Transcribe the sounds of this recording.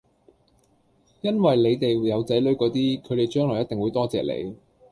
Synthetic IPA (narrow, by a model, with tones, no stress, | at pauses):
jɐ˥nwɐ˨jle˨˧jt̪e˨jjɐ˨˧wt͡sɐ˨˥jlɵ˨˥ɥkɔː˨˥t̪iː˥kʰɵ˨˧ɥt̪e˨˩jt͡ʃœː˥ŋlɔː˨˩jɐ˥t̪e˨ŋwuː˨˧jt̪ɔː˥t͡sɛ̰ː˨˩lḛ˨˧j